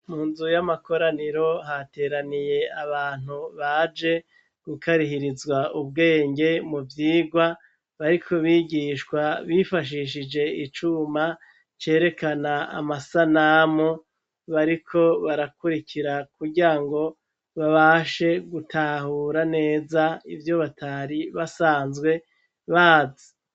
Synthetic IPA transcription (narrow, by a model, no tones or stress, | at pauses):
muːnzujamako̞ɾaniɾo̞ɦate̞ːɾanije̞aβaːn̥uβad͡ʒe̞ | ɡ̥ukʰaɾihiɾizwaʔuβɡe̞ːŋɡe̞muvjiːɡwa | βaɾikʰo̞βiɡiːʃkwaβifaʃ̬iʃid͡ʒe̞it͡ʃuma | t͡ʃe̞ːɾe̞kanaa̰masanamo | βaɾikʰo̞βaɾakuɾikʰiɾakuɟiɾaŋɡo̞ | βaβaʃe̞ɡutʰahuːɾane̞ːzaḭvjo̞βatʰaɾiβasaːnzɡwe̞ | βaːzi̥